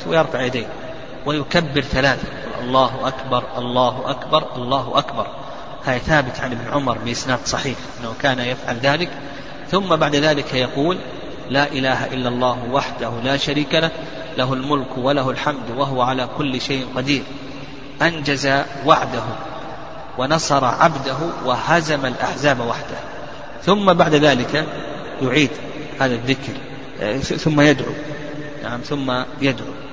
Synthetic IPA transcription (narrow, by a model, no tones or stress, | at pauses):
wɪjɪɾˤfaʕjad̪eːn | wɪjʊkabːɪɾθalaːθajquːlʔɑ̰lˤːɑːɦʔakbɑɾˤʔɑlˤːɑːɦʔakbɑɾˤʔɑlˤːɑːɦʔakbɑɾˤ | haːðaθaːbɪt̪ʕanʔɪbnʕʊmɑɾˤbɪʔɪsnaːd̪sˤɑħiːħʔʔɪnːahukaːnajafʕalðaːlɪk | θʊmːabaʕd̪ðaːlɪkajɑquːlː | aːʔɪlaːɦaʔɪlːalˤːɑːhwaħd̪ahʊlaːʃaɾiːkala | laɦʊlmʊlkwalahʊlħamd̪waɦʊwaʕalaːkʊlːɪʃajʔnqɑd̪iːɾ | ʔand͡ʒaza | waʕd̪aɦu | wanɑsˤɑɾˤɑ̰ʕabd̪aɦʊwahazamalʔa̰ħzaːbawaħd̪ah | θʊmːabaʕd̪aðaːlɪka | jʊʕiːd̪ | haːðaðːɪkɾ | θʊmːajad̪ʕṵ | naʕamθʊmːajad̪ʕṵ